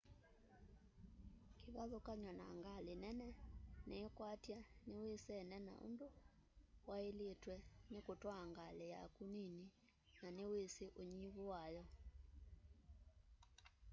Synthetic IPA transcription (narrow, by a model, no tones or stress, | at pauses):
keβaðokaɲwana̰ŋɡalenɛnɛneːkwatjanewesɛnɛna̰o̰ndo | waeletwɛnekotwaŋɡaleja̰kunini | naneweseʔoɲiβowajɔ